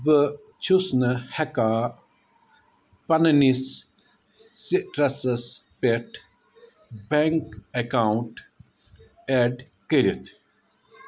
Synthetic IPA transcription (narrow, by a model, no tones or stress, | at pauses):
bə | t͡ʃʰusnəhɐka | pɐnɐnis | siɾɐsɐspeʈʰ | beŋkɐkaːuɳʈ | eɖ | kəɾit̪ʰ